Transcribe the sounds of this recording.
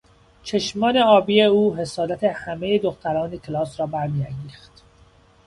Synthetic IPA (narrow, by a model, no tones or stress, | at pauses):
t͡ʃʰeʃmɒːneɒːbiːeuːɦe̞sɒːd̪æt̪ʰehæmejed̪oxt̪ʰæɾɒːnekʲʰelɒːsɾɒːbæɾmiːæŋɡiːxt̪